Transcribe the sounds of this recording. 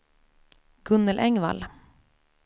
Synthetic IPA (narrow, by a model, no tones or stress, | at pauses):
ɡ̥ʉnəlʔɛŋʋɑ̰l